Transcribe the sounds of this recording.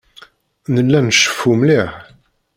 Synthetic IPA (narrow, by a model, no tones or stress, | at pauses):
nəlːænʃːə̥fːumliħ